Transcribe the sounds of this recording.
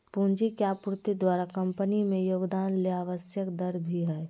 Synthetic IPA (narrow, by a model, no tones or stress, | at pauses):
pũːnd͡ʒikeaːpʊɾt̪id̪waːɾakɐ̃mpənimẽjoːɡd̪aːnleaːʋəsjəkd̪ɐɾbʱiɦɛː